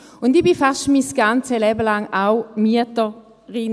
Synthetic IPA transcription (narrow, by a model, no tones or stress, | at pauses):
ʊndibifaʃtmisɡ̥ant͡səlɛbəlaŋaʊmitə | ʁɪn